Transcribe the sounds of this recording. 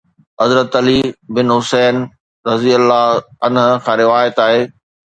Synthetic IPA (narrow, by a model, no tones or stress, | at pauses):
ɦɐzɾət̪ɐlibɪnɦʊsɛːn | ɾɐziːəlːaɐnɦʊkʰãːɾɪʋaːjət̪aːɦeː